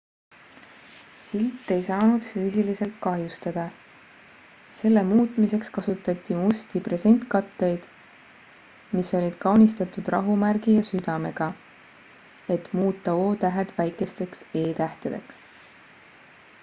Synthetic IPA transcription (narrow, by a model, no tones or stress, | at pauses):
silt̪ːˑe̞jsɑːnud̪̥fyːsilise̞lt̪kɑɦjust̪ɑd̪̥ɑ | se̞lːe̞muːt̪ˑmise̞kskɑsut̪ːˑɑt̪ʲːˑimust̪ipre̞se̞nʲt̪kɑt̪ːe̞jd̪̥ | miso̞lʲid̪̥kɑwnist̪ɑt̪ːˑud̪̥rɑ̰ɦumærɡ̥ijɑsyd̪̥ɑme̞ɡ̥ɑ | e̞t̪muːt̪ːˑɑo̞ːt̪æɦed̪̥væjkˑe̞st̪e̞kse̞ːt̪æht̪ed̪̥e̞̰ks